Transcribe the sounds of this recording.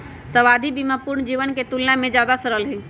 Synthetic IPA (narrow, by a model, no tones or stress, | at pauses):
səʋaːd̪ʱibimapʊɾɳd͡ʒiːʋənket̪ulnamẽd͡ʒjaːd̪asəɾəlɦĩː